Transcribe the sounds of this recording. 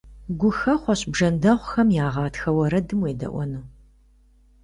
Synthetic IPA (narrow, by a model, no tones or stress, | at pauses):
ɡʷʊxɐχʷɔɕbʒɐndɐʁʷxɐmjaːʁɑːtxɐwɐɾɐdɨmweːdɐ̰ʔʷɔ̰nɨ